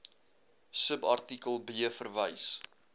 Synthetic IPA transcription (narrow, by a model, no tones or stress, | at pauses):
səpɐrtikəlˠbiəfərvəjs